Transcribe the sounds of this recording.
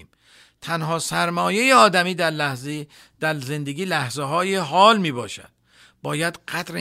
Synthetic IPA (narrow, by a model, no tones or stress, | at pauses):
m | t̪ʰænɦɒːsæɾmɒːjejeɒːd̪æmiːd̪æɾlæz | d̪̥æɾze̞nd̪eɡʲiːlæhzeɦɒːjeɦɒːlmiːbɒːʃæ̰d̪̥ | bɒːjæd̪̥ɢæd̪ɾe